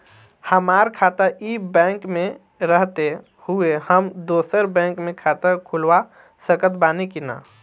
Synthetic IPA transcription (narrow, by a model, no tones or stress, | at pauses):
həmaːɾkʰaːt̪əibɛ̃ːŋkmẽ | ɾəɦt̪e | huehəmd̪oːsəɾbɛ̃ːŋkmẽkʰaːt̪əɾkʰulwa | səkət̪banikina̰